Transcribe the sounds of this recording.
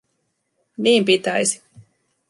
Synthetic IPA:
niːmpit̪æjsi̥

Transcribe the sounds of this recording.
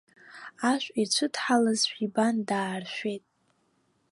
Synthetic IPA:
aʃʷʼit͡ɕʷʰʊtʰħalazʃʷᶣibandaːrʃʷᶣejtʼ

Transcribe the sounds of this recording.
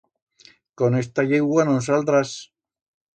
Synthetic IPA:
konest̪aʎeɣwanos̬alt̪ɾas

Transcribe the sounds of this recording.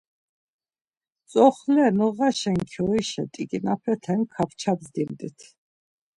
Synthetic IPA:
t͡sʼɔχlɛnɔʁaʃɛŋkʰɔiʃɛt̪ʼiɡinapʰɛt̪ʰɛŋkʰapt͡ʃʰabzd̪imd̪it̪ʰ

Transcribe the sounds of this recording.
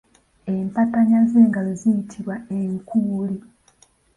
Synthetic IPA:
empataɲazeːŋɡazzijitʰiβwaeŋkuːli

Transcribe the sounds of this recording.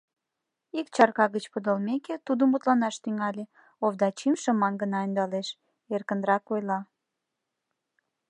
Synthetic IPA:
ikt͡ɕɑrkɑɣət͡ɕpəd̪əlmeket̪ud̪əmut̪lɑnɑʃt̪yŋɑlʲe | ovd̪ɑt͡ɕimʃəmɑnɡənɑind̪ɑleʃ | erkə̆nd̪ɾɑkojlɑ

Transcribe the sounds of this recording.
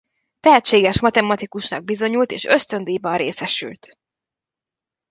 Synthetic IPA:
t̪ɛɦɛtt͡ʃeːɡɛʃmɒt̪ɛmɒt̪ikuʃnɒɡ̚bizo̞ɲult̪eːʃø̞st̪ø̞nd̪eːbɒnreːsɛʃy̰lt̪

